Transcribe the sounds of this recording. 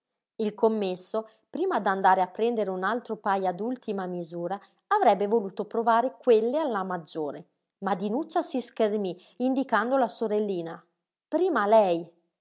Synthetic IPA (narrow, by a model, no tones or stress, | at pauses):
ilkomːesːo | pɾiːmad̪and̪aːɾeapːɾɛnd̪eɾeunalt̪ɾopajad̪ult̪imamizuːɾaː | vɾɛbːevoluːt̪opɾovaːɾekwelːealːamad͡ʒːoːɾe | mad̪ːinut͡ʃːasiskermi | ind̪ikand̪olasoɾelːiːna | pɾiːmalɛj